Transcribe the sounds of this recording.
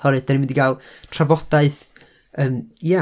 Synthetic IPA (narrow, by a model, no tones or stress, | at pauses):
ɔɾɨdd̥ɛnimɪndiɡalˠtʰravɔd̥aɨθ | əːmja